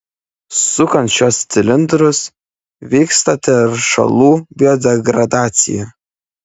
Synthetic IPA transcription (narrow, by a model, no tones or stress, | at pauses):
sʊkɐnt̪ʃʲoːst̪sʲɪlʲɪnd̪ɾʊs | ʋʲiːkst̪ɐt̪ʲɛɾʃɐ̰lˠuːbʲɪjoːd̪ʲɛɡɾɐd̪ɑːt̪sʲɪ̰jɛ